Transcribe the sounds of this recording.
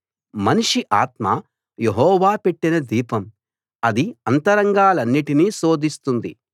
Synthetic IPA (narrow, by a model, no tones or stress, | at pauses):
mɐniʂiʔaːt̪ma̰ | jeɦɔːʋaːpe̞ʈːinɐd̪iːpɐm | ɐd̪iɐnt̪ɐɾɐŋɡaːlɐnːiʈiniːso̞ːd̪ʱist̪und̪ḭ